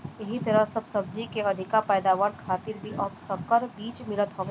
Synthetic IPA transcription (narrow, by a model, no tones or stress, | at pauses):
jɐɦit̪ɐɾəsɐbsɐb̚d͡ʒikeɐd̪ʱɪkapɛːd̪aːʋaːɽkʰaːt̪ɪɾbʱiʔɐbsɐb̚kəɾbiːt͡ʃmɪlət̪ɦoːʋeː